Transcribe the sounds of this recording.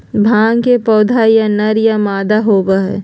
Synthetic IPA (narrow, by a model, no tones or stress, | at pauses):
bʱãːŋkepɔːd̪ʱajanɐɾjamaːd̪aɦoːɡaɦɛ̰ː